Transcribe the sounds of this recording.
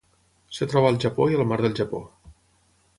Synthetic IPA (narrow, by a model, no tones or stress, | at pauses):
sət̪ɾɔβəːlˠʒəpoiəlˠmaɾðəlˠʒəpo